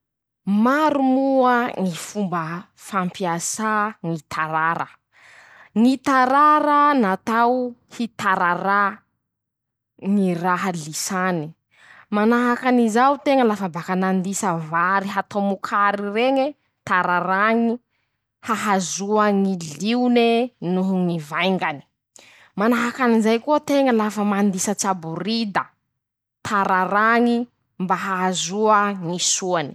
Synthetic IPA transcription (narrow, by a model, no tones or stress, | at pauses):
maɾumuəŋifumbə | fampiasaŋit̪ʰaɾaɾə̰ | ŋit̪aɾaɾənat̪awhit̪aɾaɾa | ŋiraɦalisani | manaɦakanizawt̪eŋəlafabakanand̪isəvaɾiɦat̪omukʰaɾireŋe | t̪aɾaɾaŋi | haɦazuəŋiliunenuɦuŋivajŋɡani̥ | manaɦakanizajkuət̪eŋəlafəmand̪isət͡sabuɾid̪ə | t̪ʰaɾaɾaŋi | mbaɦaɦazuəŋisuani̥